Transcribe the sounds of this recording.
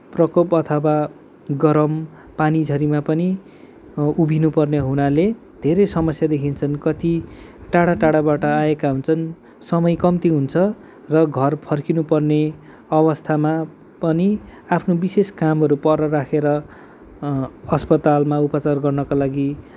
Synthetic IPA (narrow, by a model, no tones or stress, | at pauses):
prʌkopʌt̪ʰʌwa | ɡʌɾʌm | panid͡zʱʌɾimapʌni | ubʱinupʌrneɦunale | d̪ʱeɾʌjsʌmʌsjad̪ekʰint͡sʰʌnkʌt̪i | ʈaɽaʈaɽabaʈʌaekaɦunt͡sʰʌn | sʌmʌjkʌmt̪iɦunt͡sʰʌ | rʌɡʱʌrpʰʌrkinupʌrne | ʌβʌst̪ʰama | pʌniapʰnobiseskamɦʌɾupʌrʌɾakʰeɾʌ | ʌspʌt̪almaupʌt͡sarɡʌrnʌkalaɡi